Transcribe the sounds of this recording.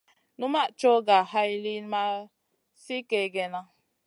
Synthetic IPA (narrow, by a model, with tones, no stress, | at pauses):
nu˦ma˦˨ʔt͡ʃo˦ɡa˨ha˦jli˦nma˦ | si˦ke˨ɡɛ˨na˦